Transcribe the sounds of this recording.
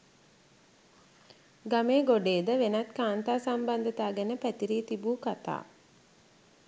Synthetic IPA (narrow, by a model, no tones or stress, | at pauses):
ɡameːɡoɖeːd̪əʋenat̪kaːnt̪aːsamband̪ət̪aːɡænəpæt̪iɾiːt̪ibuːkat̪a̰ː